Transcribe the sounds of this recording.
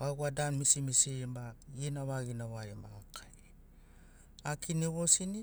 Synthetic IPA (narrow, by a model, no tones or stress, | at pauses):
aɡadanmisimisimainaβaɡinaβaɾemaakʰaj | akiniβosini